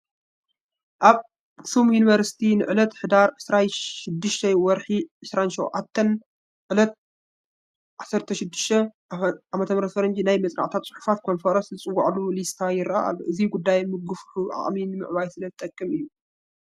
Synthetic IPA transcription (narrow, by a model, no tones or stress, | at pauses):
ʔaβ | sumjuniβɐɾsi̥t̪ʰinɨ̰ʕɨlɐt̪ħɨd̪aɾʕɨsɾanʃɪd̪ːɨʃt̪ʰɐwɔɾħiʕɨsɾanʃiwʕat̪ʰːɐn | ʕɨlɐt̪̚ | ʕasɐɾt̪ʰɐʃɪd̪ːɨ̥ʃt̪ʰɐ | ʕamɐt̪ʰɐmɾɐt̪fɐɾɐnd͡ʒinajmɐt͡sʼɾa̰ʕt̪ʰat̪̚t͡sʼʊ̥ħu̥fat̪̚kʰo̞nfɐɾɐszɨt͡sʼɨwːaʕlulist̪ʰajɪɾaʔa̰luʔɨziɡud̪ːajmɨɡɨfħuʔa̰χʼminɨmɨ̰ʕβajsɨlɐzɨt̪ʼɐkʼːɨmɨjːu